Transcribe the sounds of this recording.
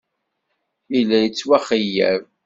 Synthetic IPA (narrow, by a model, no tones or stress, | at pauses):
ilæjət͡sːwæχijːæ̰v